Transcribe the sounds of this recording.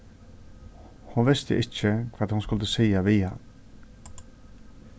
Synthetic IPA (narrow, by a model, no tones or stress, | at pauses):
hʊnʋɪst̪ə̰ʔɪt͡ʃːɪkʰv̥aːt̪hʊnskʊlt̪əsiːaʋiːa̰